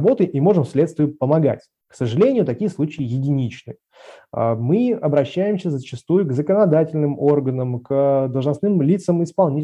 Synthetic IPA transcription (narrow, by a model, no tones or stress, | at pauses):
bo̞t̪ɨʔimo̞ʐɨmsʲlʲe̞t̪st̪vʲɪjʊpəmɐɡa̰tʲ | ksəʐɨlʲenʲɪjʊt̪ɐkʲijəslˠut͡ɕɪəjɪdʲɪnʲit͡ɕnɨ̰ | ə̰mɨɐbɾɐɕːæjɪmsʲəzət͡ɕɪst̪ujʊɡzəkənɐd̪atʲɪlʲnɨmo̞rɡənəmkd̪əlˠʐnɐsnɨmlʲit̪səmɪspɐlˠnʲi